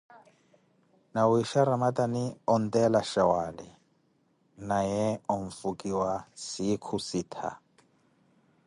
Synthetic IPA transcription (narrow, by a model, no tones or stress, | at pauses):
nawiʃaɾamatʼaniɔn̩tʼɛlaʃawalɛ | najɛɔɱ̩fukʼiwasikʰusiːt̪ʰa̰